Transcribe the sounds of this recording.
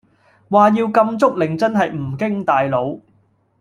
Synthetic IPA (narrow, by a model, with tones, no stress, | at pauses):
waː˨jiː˧wkɐ˧mt͡sʊ˥k̚lɪ˨˩ŋt͡sɐ˥nɦɐ˨jm̩˨˩kɪ˥ŋt̪aː˨jlo˨˧w